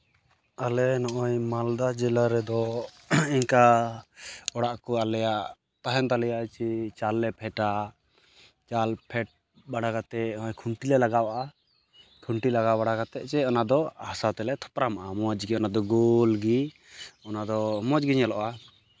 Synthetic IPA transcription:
alɛnɔʔɔjmald̪ad͡ʒɛlaɾɛd̪ɔ | iɲka | ɔɽaʔkɔalɛjaʔ | t̪aɦɛnt̪alɛjat͡ʃit͡ʃalːɛpʰɛʈa | t͡ʃalpʰɛʈ̚ | baɽaɡat̪ɛɔɔjkʰuɳʈilɛlaɡawaʔa | kʰuɳʈilaɡabaɽaɡat̪ɛʔt͡ʃɛɔnad̪ɔhasat̪ɛlɛt̪ʰɔ̥pɾamaʔamɔd͡ʒɡiɔnad̪ɔɡolɡi | ɔnad̪ɔmɔd͡ʒɡiɲalɔʔa

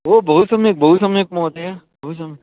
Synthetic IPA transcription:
obəɦusəmek̚bʱəɦusəmek̚mõt̪eja | bəɦusəm

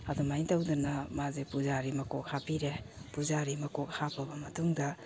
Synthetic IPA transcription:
ɐdumajtawdunɐmazepuzaɾimɐkok̚hapʰiɾepuzaɾimɐkok̚hapʰɐbɐmɐtuŋdɐ

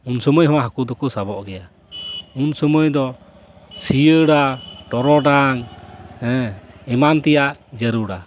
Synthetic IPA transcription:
unsɔməjhɔ̃waɦakud̪ɔkɔsabɔʔɡɛja | unsɔməjd̪ɔ | sijəɽaʈɔɾɔɖaŋhɛ̃ɛmant̪ɛjaʔd͡ʒəɾuɽa

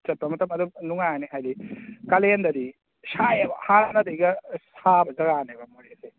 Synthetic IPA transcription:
t͡ʃɐt̚pɐmɐtʰɐmɐd̪unuŋajniɦajlikɐlend̪ɐdi | sajebɐhanɐd̪ejɡɐsʰabɐzɐɡanebɐmoɾese

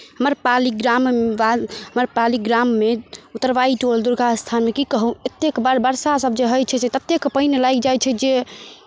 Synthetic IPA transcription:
ɦəməɾpaliɡɾambaɦəməɾpaliɡɾamːeut̪ːəɾbaiʈold̪uɾɡʱast̪ʰanmekikəɦũet̪ːekbaɾbəɾsasəb̚d͡ʒeɦəjt͡ʃʰɛsɛt̪ət̪ːjekpəinelajkd͡ʒajt͡ʃʰɛd͡ʒe

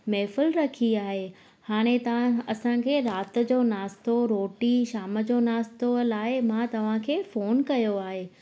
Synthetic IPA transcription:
meːfɪlɾɐkʰiaːɦe | haːɽ̃ẽt̪ɐʋ̤ãɐsãkʰeːɾaːt̪̆d͡ʑoːnaːst̪oɾoːʈiʃaːmə̆d͡ʑoːnaːst̪olaːɪmãt̪ɐʋ̤ãkʰeːfoːnkɐjoaːɦeː

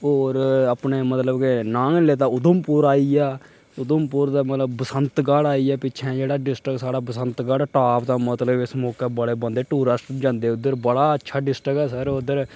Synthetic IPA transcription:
oːɾəpneːmət̪ləbkenãːnleːt̪aːʊd̪əmpʊːɾaːiːaː | ʊd̪əmpʊɾt̪aːmət̪ləbːəsənt̪ɡaːɽaːiɛːpɪːt͡ʃʰɛ̃ːd͡ʒeːɽaːɖɪsʈɾəksaːɽaːbəsənt̪ɡaːɽːʈaːpt̪aːmət̪ləbɪsmɔːkaːbəɽeːbənd̪eːʈuːɾəsʈd͡ʒãːnd̪eːʊd̪ːəɾbəɽaːətːʃʰaːɖɪsʈɾəkɛːsəɾʊd̪əɾ

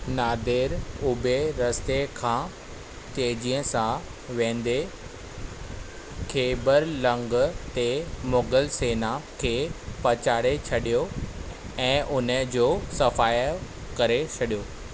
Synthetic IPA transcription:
naːd̪ɪːɾʊbʱeɾɐst̪ekʰãː | t̪eːd͡ʑiːə̃sã | ʋẽːnd̪e | kʰeːbəɾlɐ̃ŋɡt̪emoːɡəlseːnakʰeːpɐt͡ɕaːɽet͡ɕʰɐɗijo | ɛ̃ːʔʊnəd͡ʑoːsɐfaːj | kɐɾet͡ɕʰɐɗijoː

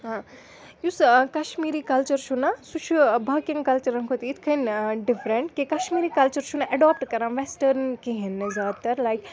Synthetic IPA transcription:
ɦã | juskɐʃmiːɾikɐlt͡ʃɐɾʃunasut͡ʃʰubɐːkĩŋɡkɐlt͡ʃɐɾɐnkʰot̪iit̪ʰkʰɐnɖɪfɾẽɳʈkekɐʃmiːɾikɐlt͡ʃəɾʃʰunaʔɐɖɔːp̚ʈkɐɾãːnʋesʈɐɾnkiɦẽnːɨzaːd̪̚t̪ɐɾlajk

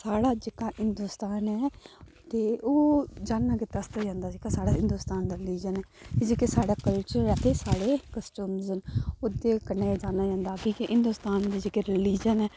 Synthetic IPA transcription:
saːɽaːd͡ʒekaːɦɪnd̪uːst̪aːnɛː | t̪eːoːd͡ʒaːnːaːket̪əst̪aːd͡ʒãːnd̪aːd͡ʒekasaːɽaːɦɪnd̪ust̪aːnd̪aːɾɪliːd͡ʒənɦɛːed͡ʒekesaːɽaːkəlt͡ʃəɾɛːt̪ʰeːsaːɽeːkəsʈuːmzənʊd̪eːkəneːd͡ʒaːnaːd͡ʒãːnd̪aːkiːkiɦɪnd̪uːst̪aːnd̪eːd͡ʒekeɾɪliːd͡ʒənɛː

